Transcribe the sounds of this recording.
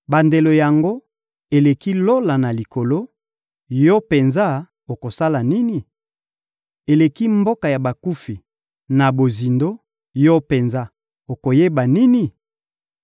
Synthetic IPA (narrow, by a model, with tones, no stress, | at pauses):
ba˨nde˨lo˨ja˨ŋɡo˦ | e˨le˨ki˦lo˦la˨na˨li˨ko˨lo˦ | jɔ˦pe˨nza˦ | o˨ko˨sa˦la˨ni˦ni˨ | e˨le˨ki˦mbo˦ka˨ja˨ba˨ku˦fi˨ | na˨bo˨zi˨ndo˦ | jɔ˦pe˨nza˦ | o˨ko˨je˦ba˨ni˦ni˨